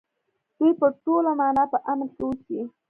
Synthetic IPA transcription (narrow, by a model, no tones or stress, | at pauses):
d̪̥ujpəʈolamɑnɑpəʔamənkowki